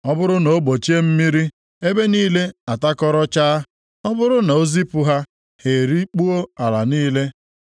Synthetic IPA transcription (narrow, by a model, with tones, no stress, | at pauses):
ɔ˦bʊ˦ɾʊ˦no˨o˦ɡ͡bo˨t͡ʃe˦m̩˦mi˦ɾi˦ | e˦be˦niː˦le˦a˨ta˦kɔ˦ɾɔ˦t͡ʃaː˦ | ɔ˦bʊ˦ɾʊ˦na˨o˦zi˦pʊ˨ɦa˦ | he˨ɾi˦k͡pu˦o˦a˨la̰˨niː˦le˦